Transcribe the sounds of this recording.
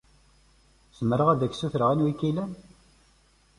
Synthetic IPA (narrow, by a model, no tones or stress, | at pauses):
səməɾəʁæðæçsuθɾəʁænwikːilæn